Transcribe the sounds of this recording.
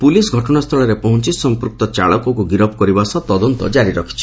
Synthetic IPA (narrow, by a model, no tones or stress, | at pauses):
pulisɡʱɔʈɔɽ̃ast̪ʰɔɭɔɾepɔɦũt͡ʃisɔmpuɾk̚t̪ɔt͡ʃa̰ɭɔkɔkuɡiɾɔbkɔɾibasɔt̪ɔd̪ɔnt̪ɔ̰d͡ʒaɾiɾɔkʰi̥t͡ʃʰi̥